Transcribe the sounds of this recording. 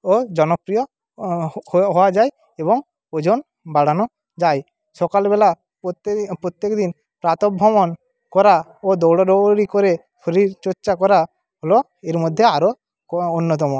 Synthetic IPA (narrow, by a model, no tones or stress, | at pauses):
od͡ʒɔnɔpɾijo | hɦɔwad͡ʒaj | eβɔŋ | od͡ʒon | baɽanɔ | d͡ʒaj | ʃɔkalbɛla | ppɾot̪jekd̪in | pɾat̪ɔbʱːɔmɔn | kɔɾaod̪ɔwɽɔɾɔɽikoɾe | pʰoɾiɾt͡ʃɔɾt͡ʃakɔɾa | ɦolo | eɾmod̪ʱːeaɾo | onːɔt̪̬ɔmo